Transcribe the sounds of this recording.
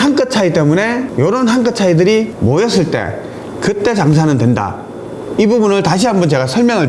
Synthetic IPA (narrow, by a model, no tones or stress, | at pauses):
hank͈ɯt͡ɕʰait͈e̞mune̞joɾonɦank͈ɯt͡ɕʰaidɯɾimojʌs͈ɯɭt͈e̞̰ | kɯt͈e̞t͡ɕaŋs̬ʰanɯndwe̞nda̰ | ibubunɯɭtaɕ̬ʰiɦambʌnt͡ɕe̞ɡasʰʌɭmjʌŋɯɭ